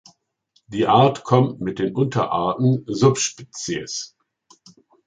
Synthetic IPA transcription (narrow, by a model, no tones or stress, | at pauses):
d̥iːʔaɐtkʰɔmtmɪt̚d̥eːnʔʊntɐ̰ʔa̰ɐtn̩zʊpʃpɪt͡siə̰s